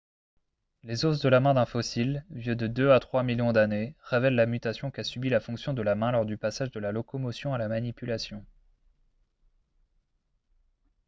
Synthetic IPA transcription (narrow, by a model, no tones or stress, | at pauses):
lezos̬d̪əlamɛ̃d̪ɛ̃fɔsilvjød̪əd̪øat̪χwamiljɔ̃d̪aneʁevɛlːamyt̪asjɔ̃kasybilafɔ̃ksjɔ̃d̪əlamɛ̃lɔʁd̪ypasaʒd̪əlalɔkɔmɔsjɔ̃alamanipylasjɔ̃